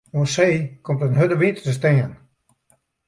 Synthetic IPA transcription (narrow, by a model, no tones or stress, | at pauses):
oəseːkʰomtənhødəʋintətəstɛːən